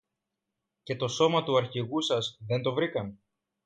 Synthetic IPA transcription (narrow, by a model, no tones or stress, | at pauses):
ce̞t̪o̞so̞mɐt̪uɐɾçiɣusɐzðe̞nt̪o̞vɾikɐn